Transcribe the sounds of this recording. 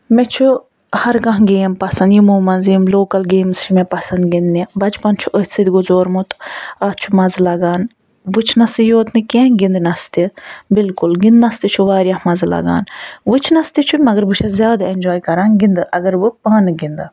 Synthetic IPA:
mɛt͡ʃʰu | hɐɾɡɐ̃ɦɡeːmpɐsɐnd̪jimuːmɐnziːmloːkɐlɡeːmst͡ʃʰimɛpɐsɐnd̪ɡind̪nibɐt͡ʃpɐnt͡ʃʰuʔəɦ̪sid̪iɡuzoːɾmut̪ɐt͡ʃʰumɐzlɐɡaːn | but͡ʃʰnɐsɨjoːt̪nɨkʲẽɡind̪nɐst̪ibilkʊlɡind̪nɐst̪it͡ʃʰuʋaːɾjahmɐzlɐ̰ɡa̰ːnʋɨt͡ʃʰnɐst̪it͡ʃʰumɐɡɐɾbut͡ʃʰɐzʲjaːd̪aend͡ʒoːjkɐɾãːnɡind̪ɨʔɐɡɐɾʋɨpaːnɨɡind̪ɨ

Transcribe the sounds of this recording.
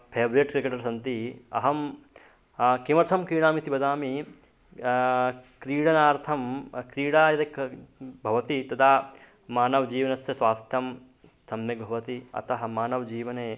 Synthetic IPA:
pʰeːbɾeʈkɾikeːʈɐɾsɐnt̪iɐ̰ɦɐm | kimɐɾt̪ʰɐmkɾiːɽaːmit̪ibɐd̪aːmi | kɾiːɽɐnaːɾt̪ʰɐmkɾiːɽaːjɐd̪ɐkbʱɐʋɐt̪it̪ɐd̪aː | maːnɐʋɐd͡ʒiːʋɐnɐsjɐsʋaːst̪ɐm | sɐmjɐɡ̚bʱɐʋɐt̪iɐ̰t̪ɐɦɐmaːnɐʋɐd͡ʒiːʋɐneː

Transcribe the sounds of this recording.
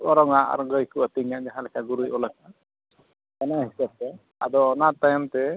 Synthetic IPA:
ɔɾɔŋaʔa̰ɾɔɡəjkuət̪iŋaʔd͡ʒaɦalɛkʰaɡuɾujɔlaka | kanaɦisab̚t̪ɛ | a̰d̪ɔɔnat̪ːajmt̪ɛ

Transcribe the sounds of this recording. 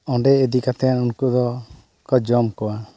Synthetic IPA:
ɔɳɖɛːd̪ikat̪ɛanunkud̪ɔ | kɔd͡ʒɔmkɔwa

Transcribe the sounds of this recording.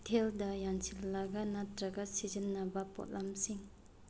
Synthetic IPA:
tʰeldɐjaŋsʰilːaɡanatɾɐɡasizənːabɐpo̰t̚lʔamsiŋ

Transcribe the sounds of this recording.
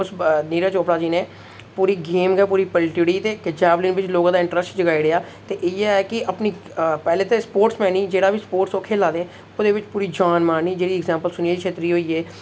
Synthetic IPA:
ʊsniːɾaːt͡ʃoːpɽaːd͡ʒiːnẽː | puːɾiːɡeːmɡɛːpuːɾiːpəlʈiɽiːt̪eːkd͡ʒɛːblɪ̃nʋɪt͡ʃloːɡãːd̪aːɪɳʈɾəsʈd͡ʒəɡaːiɾeaː | t̪eːʔɪjɛɛːkɪʔəpniːpɛːleːt̪eːspoːʈsmɛ̃ːnĩːd͡ʒeːɽaːʋiːspoːɾʈsoːkʰeːlaːd̪ẽː | oːd̪eːʋɪt͡ʃpuːɾiːd͡ʒaːnmaːiːd͡ʒeːɽiːɪɡzɛ̃ːmpəlsʊneːd͡ʒiːkʃʰeːt̪ɾiːɦoːiːɛː

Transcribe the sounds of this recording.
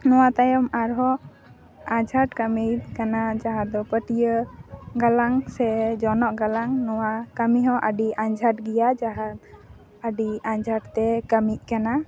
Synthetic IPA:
nɔwat̪ajɔmaɾɦɔ | ad͡ʒʱaʈkamijkanad͡ʒaɦad̪ɔpəʈijəɡalaŋsɛd͡ʒɔnɔʔɡalaŋnɔwakəmiɦɔ̃ʔəɖiʔaɲd͡ʒʱaʈ̚ɡijad͡ʒaɦat̪ | əɖiaɲd͡ʒʱaʈt̪ɛkəmiʔ̚kana

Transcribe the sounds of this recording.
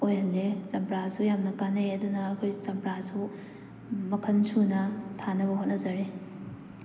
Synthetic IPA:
ojhɐlːezɐmpɾasujamnɐkanɐjɐdunɐːkʰojzɐmpɾasu | mɐkʰɐnsʰunɐtʰanɐbɐɦot̚nɐzɐɾi

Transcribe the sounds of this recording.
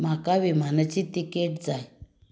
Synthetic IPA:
makaʋim̤anat͡ɕit̪ikeʈd͡zaj

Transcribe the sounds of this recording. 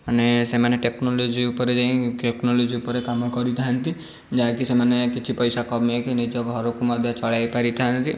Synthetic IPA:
anesemaneʈeknolod͡ʒiupɔɾed͡ʒaĩkeknɔlod͡ʒiupɔɾekamɔkɔɾit̪ʰaɦant̪i | d͡ʒaɦakisemanekit͡ʃʰipɔjsakɔbekinid͡ʒɔkuɦɔɾokumɔd̪ʱjɔt͡ʃɔɭajpaɾit̪ʰaɦant̪i

